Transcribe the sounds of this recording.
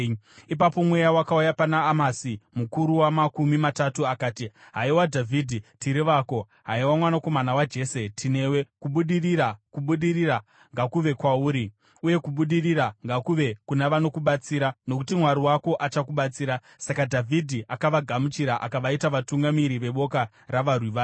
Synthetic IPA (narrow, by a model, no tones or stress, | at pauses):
ipapo̞mwejawakaujapanaːmasimukuɾuwamakumimatatuakaːtiɦaiwadʱavʱidʱitiɾiʋaːko̞ | ɦaiwamwanako̞manawad͡ʒe̞ːse̞tʰine̞we̞kuɓuɗirirakuɓuɗirira | ŋɡakuʋe̞kwauːɾi | uje̞kuɓuɗiriɾaŋɡakuʋe̞kunaʋano̞kuɓat͡siːɾano̞kutimwaɾiwako̞ʔat͡ʃakuɓat͡siːɾa | sakadʱavʱidʱiʔakaʋaɡʱamut͡ʃiɾaʔa̰kaʋaitaʋatuŋɡamiɾiʋe̞ɓo̞ka | raʋarwiʋa